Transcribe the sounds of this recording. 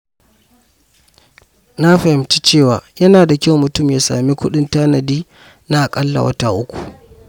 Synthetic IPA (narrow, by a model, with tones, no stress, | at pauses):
na˦ɸɐ˨hɪ˨mt͡ʃi̥˦t͡ʃeː˦˨waː˨jɐ˦naː˨da˨kʲa˦˨wmʊ˨tʊ˦˨mjaː˨˦sa̰ː˨mi˦kʷʊ˦ɗɪ˦ntaː˦nɐ˨diː˦ | na˦ʔa˨kʼɐ˦lːa̰˨wɐ̰˦ta˦˨ʔʊ˦kʷu̥˨